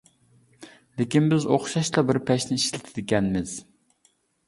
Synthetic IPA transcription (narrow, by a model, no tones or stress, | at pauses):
lɪkʲinbɪzoχʃɑʃlˠɑbɪɾpʰɛʃnɪiʃlɪt̪ʰɪd̪ɪkʲɛnmɪz̥